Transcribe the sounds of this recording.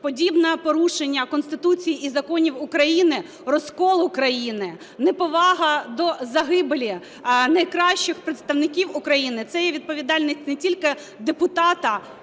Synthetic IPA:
pɔdʲibnɐpɔɾuʃenʲːɐkɔnst̪ɪt̪ut͡sʲijiizɐkɔnʲiwʊkɾɐjinɪ | rɔskɔlˠʊkɾɐjinɪ | nɛpɔʋɑɦɐd̪ɔzɐɦɪbelʲi | nɐjkɾɑɕt͡ʃɪxpɾet̪st̪ɐʋnɪkʲiwʊkɾɐjinɪt̪sɛjɛʋʲid̪̚pɔʋʲid̪ɑlʲnʲisʲtʲnetʲilʲkɪ | d̪epʊt̪ɑt̪ɐ

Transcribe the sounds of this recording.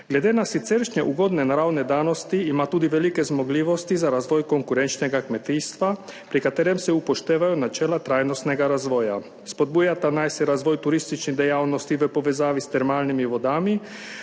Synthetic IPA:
ɡled̪enasit̪seɾʃɲeʔuɡo̞d̪nenaɾaːwned̪aːnost̪iimat̪ud̪iʋelikezmoɡliʋo̞st̪izaɾaːzʋojko̞ŋkuɾent͡ʃneɡakmet̪ist̪ʋapɾikat̪eɾemseupoʃt̪eːʋajunat͡ʃeːlat̪ɾaːjnost̪neɡaɾazʋoja | spod̪̚bujat̪anajsɛɾaːzʋojt̪uɾist̪it͡ʃnid̪ejaːlnost̪iʋəpo̞ʋezaːʋist̪eɾmaːlnimiʋod̪ami

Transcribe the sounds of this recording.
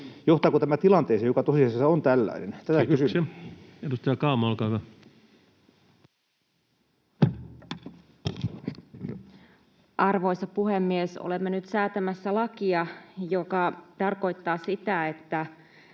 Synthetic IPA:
joht̪ɑːkot̪æmæt̪ilɑnt̪eːseːjokɑt̪osiɑsesːɑont̪ælːæ̰inḛnt̪æt̪ækysyse | edust̪ɑjɑkɑːmɑlkɑːkɑ | ʔɑrʋo̞jsɑpuhemːieso̰lemːenyt̪sæːt̪æmæsːælɑkiɑjokɑt̪ɑrko̞jt̪ːɑːsit̪æet̪ːæ

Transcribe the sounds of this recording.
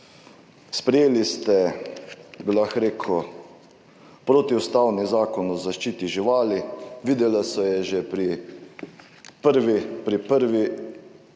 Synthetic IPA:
spɾɛjeːlist̪ɛ | bilaxɾeːkʰɔ | pɾoːt̪iust̪awnizaːkɔnɔzaʃt͡ʃiːt̪iʒiʋaːliʋiːd̪ɛlasɔjɛʒɛpɾi | pəɾʋipɾipəɾʋi

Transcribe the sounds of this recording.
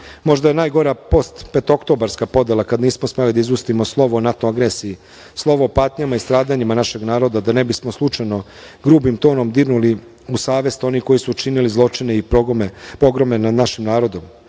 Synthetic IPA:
mo̞ʒd̪aje̞naːjɡo̞ɾapo̞st̪pet̪o̞kt̪o̞baɾskapo̞d̪elˠakad̪niːsmosmalid̪aizust̪imo̞slˠo̞ʋoːnat̪oaɡɾesii | slˠo̞ʋoopaːt̪ɲamaist̪ɾaːd̪aɲimanaʃe̞ɡnaːɾo̞d̪ad̪ane̞bismoslˠut͡ʃajno̞ɡɾuːbimt̪o̞ːno̞md̪iɾnuli | usaːʋe̞st̪o̞niko̞jisuːt͡ʃinilizlˠo̞t͡ʃine̞i | po̞ɡɾo̞me̞nad̪naʃimnaːɾo̞d̪o̞m

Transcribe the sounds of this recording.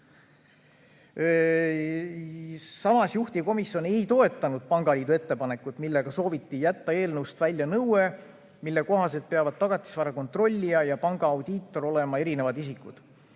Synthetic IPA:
sɑmɑsjuht̪iko̞misjo̞ne̞jt̪o̞e̞t̪ːˑɑnud̪̥̚pɑŋɡ̥ɑliːd̪uet̪ːe̞pɑne̞kːut̪milːe̞ɡ̥ɑso̞ːvit̪ːijæt̪ːɑe̞ːlnɤwst̪vælʲːjɑnɤwe̞ | milːe̞ko̞ɦɑse̞lt̪̚peɑvɑd̪̥̚t̪ɑɡ̥ɑt̪ːˑi̥svɑɾɑko̞nt̪ro̞lʲːijɑjɑpɑŋɡ̥ɑːwd̪̥iːt̪ˑːo̞ɾo̞le̞mɑe̞ɾine̞vɑd̪isikːˑṵd̪̥

